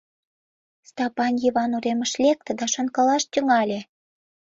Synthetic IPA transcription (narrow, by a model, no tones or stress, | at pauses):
st̪ɑpɑnjiβɑnuɾeməʃlʲek̚t̪ĕd̪ɑʃə̆nkɤlɑʃt̪ʲyŋɑlʲe